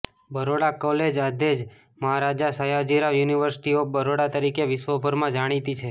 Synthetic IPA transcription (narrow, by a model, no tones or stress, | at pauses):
bəɾoɽakɔled͡ʒad̪ed͡ʒ | məɦaɾad͡ʒasəjad͡ʒiɾaʋjuniʋəɾsɪ̥ʈiobəɾoɽat̪əɾikeʋɪsʋəbʱəɾmãd͡ʒaɽ̃it̪it͡ʃʰe